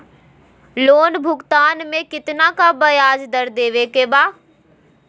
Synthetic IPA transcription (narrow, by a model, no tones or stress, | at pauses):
loːnbʱʊɡt̪aːnmẽkɪt̪ɪnãkabɐjaːd͡ʑd̪ɐɾd̪eːʋeːkebaː